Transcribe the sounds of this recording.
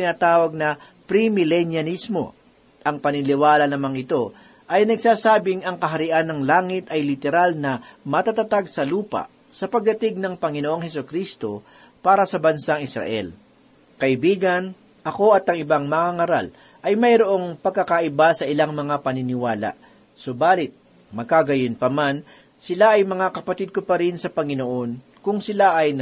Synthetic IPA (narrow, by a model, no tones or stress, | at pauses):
tɪnaːt̪aːwɐɡ̚nɐ | pɾimɪlɛnjɐnismo̞̰ | ʔɐŋpɐnɪlɪwaːlɐnɐmaŋɪt̪o̞ | ʔɐjnɐɡsaːsaːbɪŋɐŋkɐɦɐɾɪʔanːɐŋlaːŋɪt̪ɐjlɪt̪ɛɾalnɐmɐt̪at̪at̪aɡsɐluːpa̰ | sɐpɐɡ̚d̪ɐt̪ɪɡ̚nɐŋpɐŋɪnoʔo̞ŋhɛsokɾist̪o̞ | paːɾɐsɐbɐnsaŋɪsɾɐ̰ʔɛ̰l | kɐʔɪbiːɡɐn | ʔɐko̞ʔɐt̪ɐŋɪbaŋmɐŋaŋɐɾa̰l | ʔɐjmɐjɾoʔo̞ŋpɐɡ̚kːɐkaʔɪbasɐʔɪlaŋmɐŋapɐnɪnɪwaːla̰ | sobaːlɪt̪̚ | mɐɡ̚kaɡɐjɪnpɐman | sɪlaʔɐjmɐŋakɐpɐt̪ɪd̪̚kopɐɾɪnsɐpɐŋɪno̞ʔo̞n | kʊŋsɪlaʔɐjn